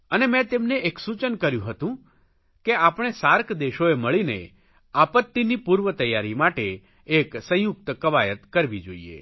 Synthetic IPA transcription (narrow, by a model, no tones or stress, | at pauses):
ənemɛ̃t̪emneeksut͡ʃənkəɾjũɦət̪ũ | keapɳ̃esaɾkʰd̪eʃoeməɭinḛ | apət̪ːinipuɾʋət̪əjːaɾimaʈeː | ksə̃jʊk̚t̪kəʋajət̪kəɾʋid͡ʒo̰iḛ